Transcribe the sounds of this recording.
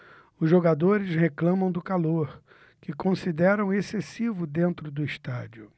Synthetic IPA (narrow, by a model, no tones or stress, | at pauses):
ʊzʒoɡad̪oɾɪsheklɐ̃mɐ̃w̃d̪ʊkaloɾ | kɪkõsid̪ɛɾɐ̃w̃esesivʊd̪ẽnt̪ɾʊd̪ʊist̪ad͡ʒiʊ